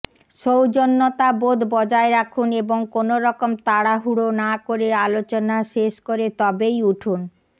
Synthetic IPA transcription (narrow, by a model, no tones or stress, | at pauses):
ʃowd͡ʑonːot̪abod̪ʱbɔd͡ʑaeɾakʰuneboŋkonoɾɔkomt̪aɽaɦuɽonakoɾealot͡ɕonaʃeʃkoɾet̪ɔbejuʈʰun